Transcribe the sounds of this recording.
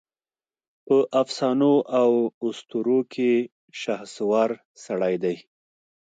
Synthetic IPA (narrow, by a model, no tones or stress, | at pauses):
pəʔafsɑnoʔawʊst̪uɾokʰe | ʃaxswɑɾ | saɽajd̪aj